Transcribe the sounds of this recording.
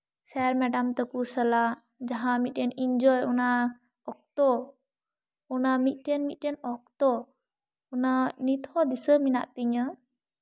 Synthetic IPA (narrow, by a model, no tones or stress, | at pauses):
sɛɾmɛɖamt̪ɔkusəla | d͡ʒaɦãmit̪̚ˀʈɛniɲd͡ʒɔjɔna | ɔk̚t̪ɔ | ɔnamit̪̚ˀʈɛnmit̪̚ʈɛnɔk̚t̪ɔ | unanit̪ʰɔd̪isəmina̰ʔt̪iɲə